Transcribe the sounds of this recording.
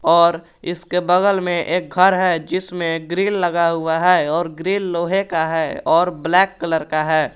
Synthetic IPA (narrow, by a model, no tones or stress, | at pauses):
ɔːɾ | ɪskebəɣəlmẽʔeːk̚ɡʱəɾɦɛd͡ʒɪsmẽɡɾiːlːəɡaɦʊaɦɛːɔːɾɡɾiːlːoːɦekaɦɛːɔːɾblɛːkːələɾkaɦɛː